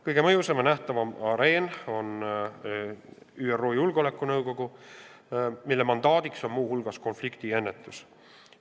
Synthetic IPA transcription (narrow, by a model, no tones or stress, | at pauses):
kɤjɡ̥e̞mɤjusemnæht̪ɑvɑmɑɾe̞ːno̞n | yero̞ːjulɡ̥olekːˑunɤwɡ̥o̞ɡ̥u | milːemɑnd̪̥ɑːd̪̥ikso̞nmuːhulɡ̥ɑsko̞nflikt̪ie̞nːe̞t̪ːˑus